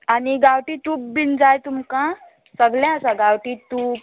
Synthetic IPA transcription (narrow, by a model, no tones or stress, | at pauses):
aniɡawʈiʈuːp̚bind͡zajt̪umkã | səɡljãəsãɡawʈituːp̚